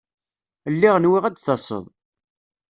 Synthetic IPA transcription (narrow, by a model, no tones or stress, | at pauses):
əlːiʁnwiʁæd̪θɑsˤə̰ðˤ